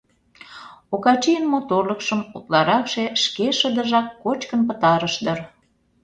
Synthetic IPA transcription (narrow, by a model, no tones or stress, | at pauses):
okɑt͡ɕijənmot̪orləkʃəmut̪lɑɾɑkʃeʃkeʃəd̪əʒɑkːot͡ɕkənpət̪ɑɾəʃd̪ə̆r